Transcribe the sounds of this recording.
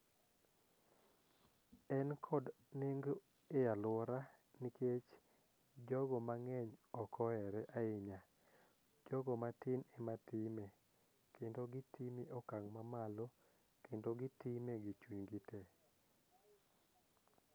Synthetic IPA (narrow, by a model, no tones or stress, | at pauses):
ɛnkʰɔd | neŋɡ | ealwɔɾanikʰet͡ʃ | d͡ʒɔɡɔmaŋɛɲɔkɔɛɾɛʔaɪɲa | d͡ʒɔɡɔmatɪnematɪme | kendoɡɪtimiʔɔkaŋmamalo | kendoɡɪtimeɡit͡ʃuɲɡite